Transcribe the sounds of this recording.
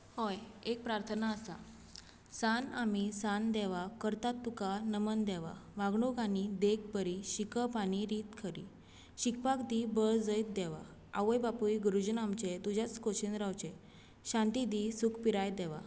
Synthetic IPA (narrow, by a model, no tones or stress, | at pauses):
hojek̚pɾaɾt̪ʰənaəsa̰ | sanamisand̪ɛʋakəɾt̪at̪ːukanəmənd̪ɛʋa̰ʋãɡɳoɡanid̪ek̚bəɾiɕikəpaɽ̃iɾiːt̪kʰəɾḭ | ɕik̚pakd̪ibəɭd͡zəjt̪̚d̪ɛʋa̰ | aʋəjbapujɡɾud͡ʑnamt͡ɕet̪ud͡ʑʱjat͡skoɕind̪ɾawt͡ɕe | ɕãnt̪id̪isukpiɾajd̪ɛʋa̰